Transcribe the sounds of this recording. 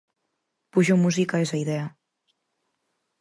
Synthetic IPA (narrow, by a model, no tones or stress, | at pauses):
puʒumuzikəezaiðeə